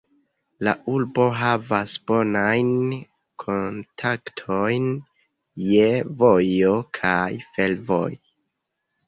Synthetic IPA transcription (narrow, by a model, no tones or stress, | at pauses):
la̰ʔulbo̞ɦavasbo̞najn | kʰo̞ntʰaktʰo̞jn | jevo̞jo̞kʰajfe̞lvo̞j